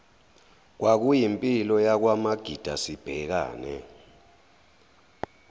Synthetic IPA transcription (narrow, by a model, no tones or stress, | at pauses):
k̬wak̬ujimpʼilɔjak̬wamaɡ̥ʱid̥ʱasib̥ʱɛk̬a̰ːnɛ̰